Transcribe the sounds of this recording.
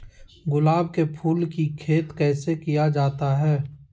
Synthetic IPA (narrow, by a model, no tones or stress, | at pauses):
ɡʊlaːb̚kepʰuːlkikʰeːt̪kɛːsekijad͡ʒaːt̪aɦɛː